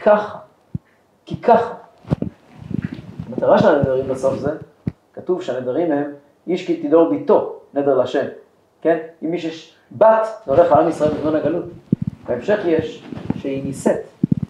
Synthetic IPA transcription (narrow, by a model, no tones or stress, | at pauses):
kʰaχa | kikʰaχa | amat̪aʁaʃelaned̪aʁimbeso̞fze̞ | katuvʃeanedaʁimem | iʃkit̪id̪o̞ʁbito̞ne̞d̪eʁlaʃe̞m | ke̞nimːiʃjeʃ | bat̪voleχhaamisʁae̞lbizmonaɡalutbaemʃe̞χjeʃʃeiniset